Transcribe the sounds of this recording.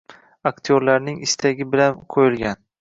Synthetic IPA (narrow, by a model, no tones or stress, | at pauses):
akʲt̪ʰioɾlaɾnɪŋɪst̪ʰaɡʲɪbɪlanqʰojɪlˠɡʲan